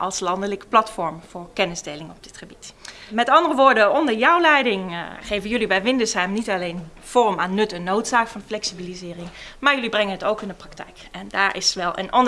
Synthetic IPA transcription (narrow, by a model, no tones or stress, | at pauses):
ʔɑlˠslɑndələkə̥plɑtfɔɹmv̥ʊːɹkɛnɪzdejlɪŋɔb̚dɪtχəbitmɛtɑndərəʋʊːɹdəɔndəɹjʌwlɛjdɪŋχejvənjɵlibɛjʋɪndəsɦɛmnitɑlejn | v̥ɔːrəmaːnːɵtənːowtsaːkfɑnflɛksibilizɪːrɪŋmaːɹjɵlibrɛŋənɦətowkɪndəprɑktɛ̰jkɛndaːɹʔɪ̰sʋɛlˠʔə̰nʔɔn